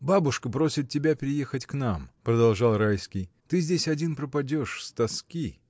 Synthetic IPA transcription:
babʊʂkəpɾo̞sʲɪt̪tʲːɪbʲapʲɪɾʲɪje̞xətʲknampɾəd̪ɐlˠʐɑlˠɾajskʲɪj | t̪ɨzʲdʲesʲɐdʲinpɾəpɐdʲo̞ʂst̪ɐskʲi

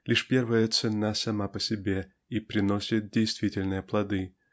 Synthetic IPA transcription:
lʲiʂpʲe̞rvəjət̪sɨnasɐmapəsʲɪbʲe | ipɾʲɪno̞sʲɪt̪̚dʲejst̪vʲitʲɪlʲnɨjəplˠɐd̪ɨ

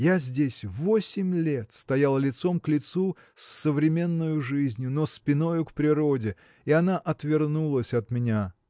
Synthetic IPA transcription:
jazʲdʲesʲvosʲɪmʲlʲe̞t̪st̪ɐjalˠəlʲɪt̪so̞mklʲɪt̪su | sːəvɾʲɪmʲe̞nːʊjʊʐɨzʲnʲjʊnospʲɪno̞jʊkpɾʲɪɾo̞dʲɪ | ɪɐnaʔɐt̪vʲɪrnulˠəsʲɐt̪mʲɪnʲa

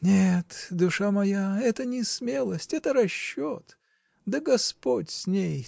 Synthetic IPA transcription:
nʲet̪d̪ʊʂamɐjaɛt̪ənʲɪsmʲelˠəsʲtʲɛt̪əɾɐɕːot̪ | d̪əɡɐspotʲsʲnʲej

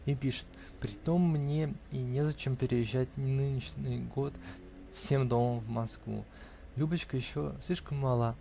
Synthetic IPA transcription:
ipʲiʂɨ̥t̪ | pɾʲɪt̪o̞mːnʲeinʲezɐt͡ɕe̞mpʲɪɾʲɪjɪʑːæt̚ʲnɨnʲɪʂnɨjɡo̞t̪ | fsʲe̞md̪o̞məmvmɐskvṵ | lʲubət͡ɕkəjɪɕːosʲlʲiʂkəmːɐlˠa

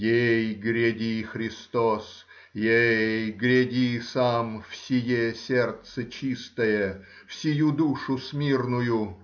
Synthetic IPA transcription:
jejɡɾʲɪdʲixɾʲɪst̪os | jejjɡɾʲedʲisamfsʲɪjesʲert̪sət͡ɕist̪əjə | fsʲɪjud̪uʂʊsʲmʲirnʊjʊ

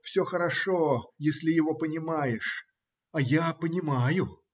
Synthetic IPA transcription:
fsʲoxəɾɐʂojesʲlʲɪjɪvopənʲɪmajɪʂ | ajapənʲɪmajʊ

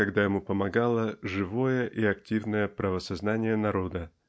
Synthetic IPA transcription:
ɐɡd̪ajɪmupəmɐɡalˠəʐɨvo̞jəʔiɐktʲivnəjəpɾəvəsɐznanʲɪjənɐɾo̞d̪ə

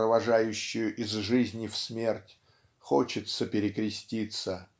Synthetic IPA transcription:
ɾəvɐʐajʉɕːʊjʊʔɪzʐɨzʲnʲɪfsmʲe̞rtʲ | xot͡ɕɪt̪səpʲɪɾʲɪkɾʲɪsʲtʲit̪sə

